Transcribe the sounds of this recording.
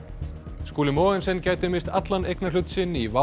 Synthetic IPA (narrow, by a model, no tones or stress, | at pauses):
skuːlɪmɔːɛnsɛncaːjt̪ʏmɪst̪at̪lanejknal̥ʏt̪sɪnːiva